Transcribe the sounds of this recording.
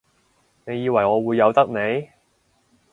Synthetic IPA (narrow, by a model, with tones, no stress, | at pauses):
ne˨˧jiː˨˧wɐ˨˩jŋɔː˨˧wuː˨˧jːɐ˨˧wt̪ɐ˥k̚ne˨˧j